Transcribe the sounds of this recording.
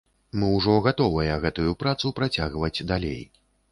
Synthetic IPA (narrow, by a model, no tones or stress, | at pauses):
mɨwʐɔɣat̪ɔvɐjɐɣɛt̪ujupɾat̪supɾat͡sʲaɣvɐd͡zʲd̪alʲḛj